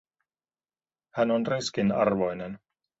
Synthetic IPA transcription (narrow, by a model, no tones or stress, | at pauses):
hænonriskinɑ̰rʋo̞jnen